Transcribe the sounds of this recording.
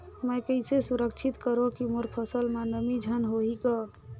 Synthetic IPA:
məjkəɪsesuɾəkt͡ʃʰit̪kəɾokimoɾpʰəsəlmanəmid͡ʒʱənɦoɦikɔ

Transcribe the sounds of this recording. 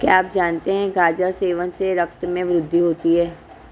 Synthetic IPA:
kja̰ːaːp̚d͡ʒaːnt̪eɦɛ̃ɡʱaːd͡ʒəɾseːʋənseɾɐk̚t̪mẽʋɾʊd̪ʱːiɦoːt̪iɦɛː

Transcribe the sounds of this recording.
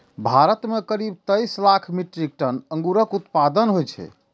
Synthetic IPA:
bʱaɾət̪mekəɾib̚t̪əjslakʰmiʈɾik̚ʈənəŋɡuɾəkut̪pad̪ənɦojt͡ʃʰɛ̰

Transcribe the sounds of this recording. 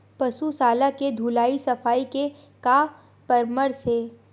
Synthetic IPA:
pɐsusaːlaked̪ʱuːlaːisɐfaːike | kaː | pəɾməɾse

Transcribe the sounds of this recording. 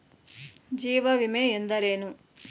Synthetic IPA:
d͡ʒiːʋɐʋimeend̪ɐɾeːnu

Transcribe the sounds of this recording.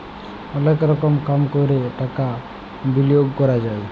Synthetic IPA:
ɔnekɾɔkɔmkamkɔɾeʈaka | bilijoɡkɔɾad͡ʒaj

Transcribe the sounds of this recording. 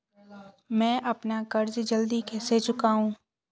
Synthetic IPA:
mɛ̃ːʔɐpnakɐɾd͡ʒd͡ʒɐld̪ikʰɛːset͡ʃʊkaːɦũː

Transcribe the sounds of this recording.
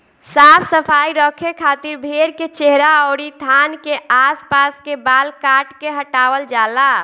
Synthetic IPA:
saːpʰsəpʰaːiɾɔkʰekʰaːt̪ɪɾbʱeɾket͡ʃeɦɾaɔːɾit̪ʰaːnkeaːspaːskebaːlkaːʈkeɦəʈaːwəld͡ʒaːla

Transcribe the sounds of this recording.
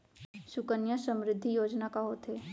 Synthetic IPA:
ʃʊkənjasə̃mɾɪd̪ʱːijoːd͡ʒnakaɦoːt̪ɦeː

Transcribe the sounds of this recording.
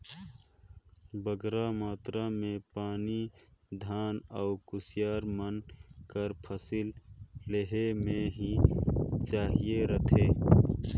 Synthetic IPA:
bəɡɾamaːt̪ɾamẽpaːnid̪ʱaːnɔʊkʊsɪjaːɾmənkəɾpʰəsɪlːeɦemẽɦi | t͡ʃaːɦieɾət̪ʰeː

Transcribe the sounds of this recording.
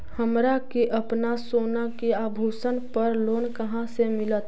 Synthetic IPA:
həmɾakeʔəpnasoːnakeaːbʱuːsənpəɾloːnkəɦãsemɪlət̪

